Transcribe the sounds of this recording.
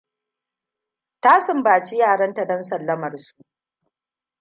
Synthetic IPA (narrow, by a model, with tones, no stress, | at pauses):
taː˦sɪ˨mbaː˨t͡ʃi˦jaː˦˨ɽɐ˦nta˨dɐ˦nsɐ˨lːɐ˦mɐ˨rsu˦ʔʔ